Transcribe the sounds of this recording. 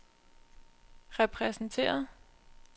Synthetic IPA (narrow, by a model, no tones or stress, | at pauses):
ʁɛpʰʁɛsn̩t͡sʰe̝̰ːɐðˠ